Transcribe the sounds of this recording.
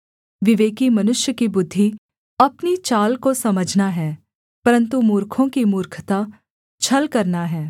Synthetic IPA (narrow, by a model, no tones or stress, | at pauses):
ʋɪʋeːkimɐnʊʃjəkibʊd̪ʱːi | ɐpnit͡ʃaːlkosɐməd͡ʒʱnaɦɛː | pɐɾə̃nt̪umuːɾkʰõkimuːɾkʰt̪a | t͡ʃʰɐlkɐɾnaɦɛː